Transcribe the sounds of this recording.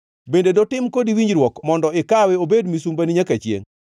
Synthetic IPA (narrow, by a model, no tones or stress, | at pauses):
bendedɔtɪmkodiwiɲd͡ʒɾwɔkmɔndɔɪkawɛobedmisumbaniɲakat͡ʃjḛŋ